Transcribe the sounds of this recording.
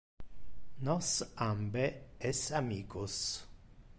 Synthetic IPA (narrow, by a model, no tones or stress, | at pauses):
nɔsambɛɛsamiːkʊs